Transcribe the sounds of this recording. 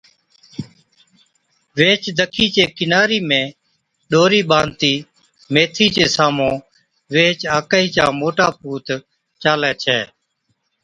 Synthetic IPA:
ʋeːt͡ʃd̪ʱəkʰiːt͡ʃeːkɪnaːɾiːmẽː | ɗoːɾiːɓãːnt̪iː | meːt̪ʰiːt͡ʃeːsaːmõː | ʋeːt͡ʃaːkaːiːt͡ʃaːmoːʈaːpuːt̪ | t͡ʃaːlɛːt͡ʃʰɛː

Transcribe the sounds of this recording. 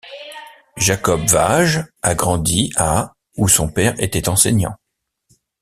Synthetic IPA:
ʒakɔbvaʒaɡʁɑ̃d̪ia | usɔ̃pɛʁḛt̪ɛt̪ɑ̃sɛɲɑ̰̃

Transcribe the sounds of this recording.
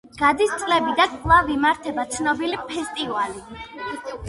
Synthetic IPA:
ɡ̥ad̪ist̪sʼlɛbid̪akʼlˠavimaɾt̪ʰɛbat̪sʰnɔbilipʰɛst̪ʼivali

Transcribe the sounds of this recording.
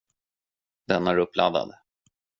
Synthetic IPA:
d̪ɛnæɾɵpːlʔad̪a̰d̪

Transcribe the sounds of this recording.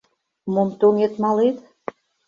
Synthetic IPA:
momt̪oŋet̪mɑlet̪

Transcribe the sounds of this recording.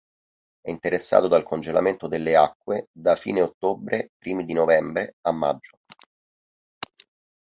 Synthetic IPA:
ɛint̪eɾesːa̰ːt̪od̪alkʰond͡ʒela̰ment̪od̪elːeakːwed̪afḭːneot̪ːobɾepɾiːmid̪inovɛmbɾeamːa̰d͡ʒːo

